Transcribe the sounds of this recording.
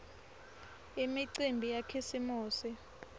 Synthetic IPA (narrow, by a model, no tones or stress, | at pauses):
imiǀimbʱijakʰisimuːsi